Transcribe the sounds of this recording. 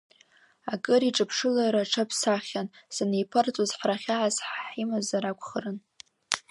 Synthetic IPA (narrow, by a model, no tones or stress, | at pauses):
akʼɨɾiʈ͡ʂʼɨpʰʂɨlaɾaʈ͡ʂʰapʰsaχʲansanejpʰɨrt͡sʼozħraχʲaʕazħħimazaɾakʷʰχərɨn